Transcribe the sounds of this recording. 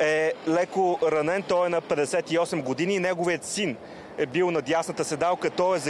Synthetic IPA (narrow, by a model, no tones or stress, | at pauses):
ɛlɛkoɾɐnɛnt̪ɔjɛnɐpɛd̪ɛsɛt̪iɔsɛmɡod̪ininɛɡoviət̪sin | ɛbilˠnɐd̪jasnət̪əsɛd̪alˠkət̪ɔɛzɐ